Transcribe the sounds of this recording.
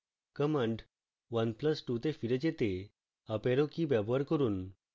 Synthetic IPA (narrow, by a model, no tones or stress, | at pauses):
kəmə̃ɳɖ | ʋənpləsʈut̪efiɾet͡ɕet̪e | əpeɾokibabʱəɾkəɾuːn